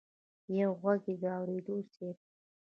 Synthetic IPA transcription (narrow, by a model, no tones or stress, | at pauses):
jawɣwaɡed̪əawɾed̪oseɾ̚